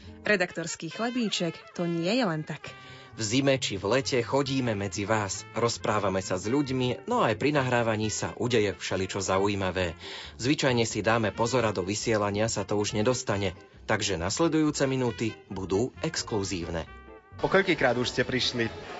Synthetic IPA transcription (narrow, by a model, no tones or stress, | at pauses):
ɾɛd̪akt̪ɔɾskiːxlɛb̪iːt͡ʃɛkt̪ɔɲɪɛjɛlɛnt̪ak | vzimɛt͡ʃivlɛcɛxɔɟiːmɛmɛd͡ziʋaːsɾɔspɾaːʋamɛsazʎuɟminɔajpɾinaɦɾaːʋaɲiːsa̰ʔuɟɛjɛfʃɛlit͡ʃɔzaujiːmaʋɛːzʋit͡ʃajɲɛsid̪aːmɛpɔzɔɾad̪ɔʋisɪɛlaɲɪasat̪ɔuʒɲɛd̪ɔst̪aɲɛ | t̪aɡʒɛnaslɛd̪ujuːt͡sɛminuːt̪ibud̪uːɛkskluziːʊnɛ̰ | pɔkɔʎʲkiːkɾaːd̪uʃscɛpɾiʃli